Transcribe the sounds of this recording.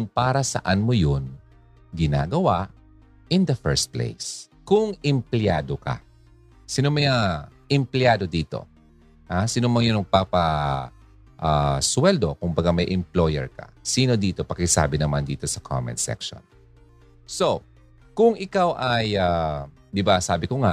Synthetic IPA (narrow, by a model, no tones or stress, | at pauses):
ʊŋpaːɾɐsɐ̰ʔanmojon | ɡɪna̰ːɡɐwaʔ | ʔɪnd̪ɐfɛɹst̪̚plḛjs | kʊŋɪmplɪjaːd̪okɐ̰ | sinomɐjaʔɪmplɪaːd̪o̞d̪iːt̪o̞̰ | hasiːnomɐŋjonɐɡpapɐ | ʔaswɛld̪o̞kʊŋbɐɡamɐjʔɛmplojɛ̰ɹkɐ̰siːno̞d̪iːt̪o̞pɐkɪsa̰ːbɪnɐmand̪ḭːt̪o̞sɐkʰa̰mɛ̰nsɛ̰kʃo̰n | so̞ | kʊŋʔɪkawʔɐja | d̪ɪbasaːbɪkoŋa